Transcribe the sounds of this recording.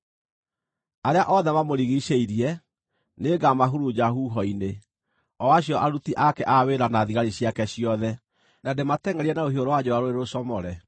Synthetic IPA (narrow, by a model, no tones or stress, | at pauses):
aɾeaʔɔðɛmamoɾiɣiɕeiɾiɛ | neɡamaɦuɾud͡ʑaɦuɦɔine | ɔwaɕ̬jɔʔaɾutiʔakɛʔaweɾanaðiɣaɾiɕjakɛɕiɔðɛ | nadematɛŋɛɾiɛnaoɦioɾɔwad͡ʑowaɾoɾeɾosɔmɔɾɛ